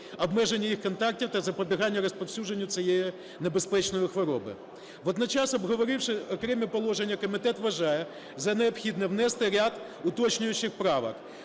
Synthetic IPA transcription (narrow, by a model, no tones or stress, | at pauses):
ɔbmɛʒenʲːɐjixkɔnt̪ɑk̚tʲiwt̪ɐzɐpɔbʲiɦɑnʲːɐɾɔspɐwsʲud͡ʒenʲːʊt͡sʲijeji | nebespɛt͡ʃnɔjʊxʋɔɾɔbɪ̰ | ʋɔd̪nɐt͡ʃɑsɔbɦɔʋɔɾɪwʂɪɔkɾɛmʲipɔlˠɔʒenʲːɐkɔmʲɪt̪ɛt̪ʋɐʒɑjɛ | zɐneɔpxʲid̪nɛwnɛst̪ɪɾʲad̪ | ʊt̪ɔt͡ʃnʲʊjʊt͡ʃɪxpɾɑʋɐ̰k